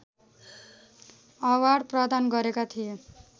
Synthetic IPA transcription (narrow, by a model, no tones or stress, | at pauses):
ʌwaɽprʌd̪anɡʌɾekat̪ʰije